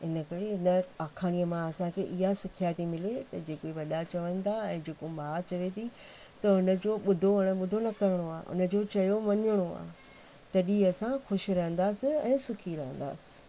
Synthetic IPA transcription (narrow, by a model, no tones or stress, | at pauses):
ɪnə̆kɐɾeɪnə̆aːkʰaːñijəmãɐsãkʰeːʔɪɦasɪkʰjaːt̪imɪlet̪ɐd͡ʑeːkoiʋɐɗat͡ɕɐʋə̃nt̪ʰaɛ̃ːd͡ʑeːkomaːt͡ɕɐʋet̪ʰi | t̪ɐɦʊnə̆d͡ʑoːɓʊd̪ʱoɐɽ̃əɓʊd̪ʱonɐkɐɾɪɽ̃oa̰ːʔʊ̰nə̆d͡ʑoːt͡ɕɐjoʋɐɲəɽ̃oa̰ːɦ | t̪ɐɗiɐsãxʊʃɪ̆ɾɐɦə̃nd̪aːsɪ̆ɛ̰̃ːsʊkʰiɾɐɦə̃n̆d̪a̰ːsɪ̥